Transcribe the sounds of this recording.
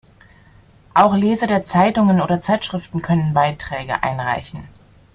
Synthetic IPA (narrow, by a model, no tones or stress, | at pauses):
ʔaʊxleːzɐdeːɐt͡saɪtʊŋənoːdɐt͡saɪtʃʁ̥ɪftn̩kʰœnənbaɪtʁ̥ɛːɡə̰ʔa̰ɪnʁa̰ɪçn̩